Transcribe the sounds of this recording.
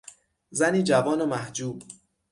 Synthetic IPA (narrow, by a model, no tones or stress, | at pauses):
zæniːd͡ʒævɒːnomæhd͡ʒuːb